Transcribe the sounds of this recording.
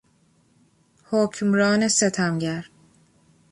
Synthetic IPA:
hocʰmɾɒːneset̪ʰæmɟæɾ

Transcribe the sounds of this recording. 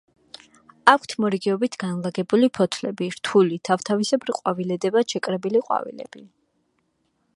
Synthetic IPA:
akʰt̪ʰmɔɾiɡɛɔbit̪ʰɡanlˠaɡɛbulipʰɔt̪ʰlɛbiɾt̪ʰulit̪ʰaft̪ʰavisɛbɾiqʼwavilɛd̪ɛbaʃɛkʼɾɛbiliqʼwa̰vḭlɛ̰b̥i

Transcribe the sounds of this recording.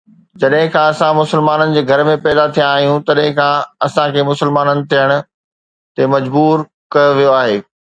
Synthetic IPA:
d͡ʑɐɗɦɪ̃kʰãɐsãmʊsɪlmaːnənɪ̆d͡ʑeːɡʱɐɾmẽpɛːd̪at̪ʰijãaːɦijũt̪ɐɗɦɪ̃kʰãɐsãkʰeːmʊsɪlmaːnənɪ̆t̪ʰijəɽ̃ʊ̆ | t̪emɐd͡ʑbuːɾ | kɐjoʋijoaːɦeː

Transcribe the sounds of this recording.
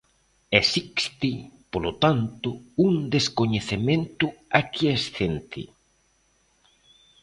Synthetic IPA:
esikst̪ipolot̪ant̪ʊuŋd̪eskoɲeθemẽnt̪ʊakiesθent̪ɪ̰

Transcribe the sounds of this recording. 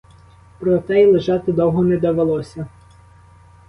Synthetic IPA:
pɾɔt̪ɛilˠeʒɑt̪ɪd̪ɔwɦɔnɛd̪ɐʋelˠɔsʲɐ

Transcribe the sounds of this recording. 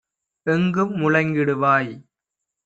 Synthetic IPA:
ɛŋɡɯmːʊɻɐŋɡɪɽɯʋaːj

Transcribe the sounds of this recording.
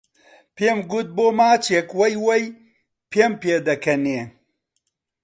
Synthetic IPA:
peːmɡut̪̚boːmaːt͡ʃʰekwɐjwɐj | pʰeːmpeːd̪ɐkʰɐneː

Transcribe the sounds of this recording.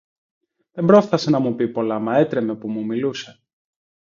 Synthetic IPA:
ðe̞mbɾo̞fθɐse̞nɐmupipo̞lɐmɐe̞t̪ɾe̞me̞pumumiluse̞̥

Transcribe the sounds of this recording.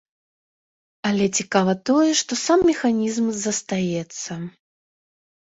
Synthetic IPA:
ɐlʲɛt͡sʲikavɐt̪ɔjɛʂt̪ɔsamːʲɛxanʲizmzɐst̪ajɛt̪sːɐ

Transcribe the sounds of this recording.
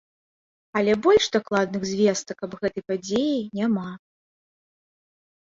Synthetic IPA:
ɐlʲɛbɔlʲʂd̪aklˠad̪nɨɣzʲvʲɛst̪ɐkːɐbɣɛt̪ɨjpad͡zʲejinʲama

